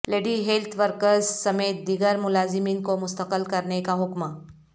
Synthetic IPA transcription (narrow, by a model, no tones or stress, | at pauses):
leɖiːɦelt̪ʰʋəɾkəɾzsəmeːt̪̚d̪iɡəɾmulazimiːnkomʊst̪əqəlkəɾɳekaɦukma